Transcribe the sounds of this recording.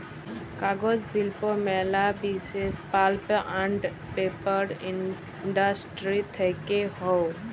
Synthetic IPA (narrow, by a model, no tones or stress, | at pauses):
kaːɡod͡ʒzilpomɛːlabiːsespaːlpãɳɖ | peːpəɾɪ̃n | ɖasʈɾit̪ʰekeɦoː